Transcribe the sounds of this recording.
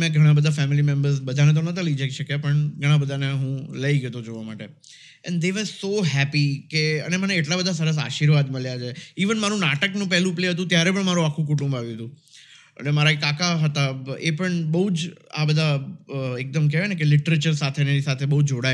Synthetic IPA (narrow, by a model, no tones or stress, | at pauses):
mɛ̃ɡʱəɽ̃abəd̪ʱafɛmilimɛmbəɾsbəd̪ʱanet̪̬onət̪aləid͡ʒaiʃəkjapəɳɡʱəɽ̃ãbəd̪ʱaneɦũləiɡjet̪od͡ʒoʋamaʈe | ɛ̰̃ɳɖd̪eʋəzsoɦæpikeə̰neməneːʈlabəd̪ʱas̬əɾəs̬a̰ʃiɾʋad̪məɭjat͡ʃʰeiʋənmaɾũnaʈəknũpɛɦlũpleɦət̪ũt̪jaɾepəɳmaɾũakʰːũk̬uʈũmbaʋjũɦət̪ũ | ə̰lemaɾaekːakaɦət̪aepəɳbəɦud͡ʒa̰bəd̪ʱaek̚d̪əmkeʋenekelɪʈəɾet͡ʃəɾsat̪ʰeneɾisat̪ʰebəɦud͡ʒoɽa